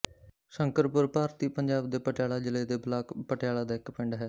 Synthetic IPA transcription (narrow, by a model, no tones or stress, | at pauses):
ʃəŋkəɾpʊɾpaːɾt̪iːpəɲd͡ʒaːb̚d̪eːpəʈjaːlaːd͡ʒɪleːd̪eːblaːkpəʈɪjaːlaːd̪aːɪkpɪɳɖɦɛː